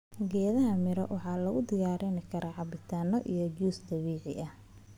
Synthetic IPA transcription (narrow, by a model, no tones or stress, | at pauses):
ɡɛːðɐɦɐmɪɾɔ̰wɑħɑːlɐɣʊd̪ɪjaːɾɪnɪkʰɐɾʔaːʕɑbɪt̪ʰaːnɔʔḭjɞd͡ʒuːsd̪ɐβiːʕɪ̰ʔɐh